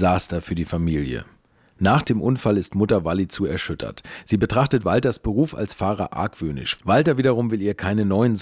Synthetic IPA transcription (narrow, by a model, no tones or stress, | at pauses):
zaːstɐfyːɐdiːfamiːljə̰ | naːχd̥eːmʔʊnfalɪstmʊtɐvalit͡suːɛɐʃʏtʰɐ̰tz̥iːbətʁ̥aχtətv̥altɐsb̥əʁuːfa̰lsfaːʁɐ̰ʔa̰ɐkv̥øːnɪ̰ʃvaltɐviːdɐʁ̞ʊmvɪliːɐkʰaɪnənɔʏənz